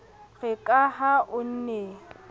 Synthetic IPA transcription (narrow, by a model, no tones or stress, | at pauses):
ɣɛkʼaɦaʔʊn̩ne